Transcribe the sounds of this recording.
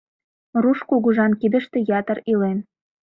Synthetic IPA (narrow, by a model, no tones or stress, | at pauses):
ruʃkuɣuʒɑnkid̪ə̆ʃt̪ĕjɑt̪ə̆rilen